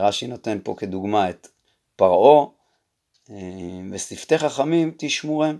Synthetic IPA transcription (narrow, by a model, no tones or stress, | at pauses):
ʁaʃinot̪e̞npo̞̰ked̪uɡmaet̪ | paʁo̞ | evesift̪eχaχamimt̪iʃmuʁem